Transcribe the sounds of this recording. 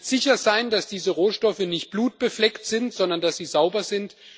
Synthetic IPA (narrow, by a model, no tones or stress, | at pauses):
z̥ɪçɐzaɪndasd̥iːzəʁoːʃtɔfənɪçt̚b̥luːt̚b̥əflɛktz̥ɪntz̥ɔndɐndasz̥iːzaʊbɐzɪnt